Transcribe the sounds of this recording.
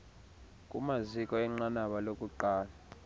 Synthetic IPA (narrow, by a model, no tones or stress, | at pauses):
kʼumazikʼɔɛŋ͡ǁanaɓalokʼuǃaːla